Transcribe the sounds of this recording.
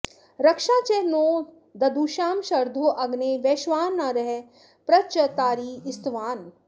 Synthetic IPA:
ɾɐkʃãːt͡ʃeɦnoː | d̪ɐd̪uːʃaːmʃɐɾd̪ʱoːʔɐɡneːʋeːʃʋaːnːaɾɐɦe | pɾɐt͡ʃɐt̪aːɾiːɪst̪ʋaːn

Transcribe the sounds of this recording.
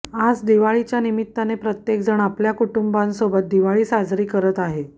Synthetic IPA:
ad͡zd̪iʋaɭit͡ɕjanimit̪ːanepɾət̪jek̚d͡zəɳ̃apljakuʈumbansobət̪̚d̪iʋaɭiːsad͡zɾiːkəɾət̪aɦe

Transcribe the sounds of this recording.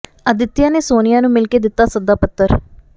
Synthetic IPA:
əd̪ɪt̪ːɪjãːneːsoːnɪjãːnũːmɪlkeːd̪ɪt̪ːaːsəd̪aːpət̪ːəɾ

